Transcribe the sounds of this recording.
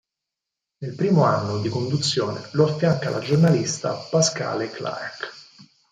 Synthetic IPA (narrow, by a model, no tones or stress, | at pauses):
nelpɾiːmoanːod̪ikond̪ut̪sːjoːnḛloafːjaŋkalʔa̰d͡ʒornalist̪apaska̰ːlekla̰ɾak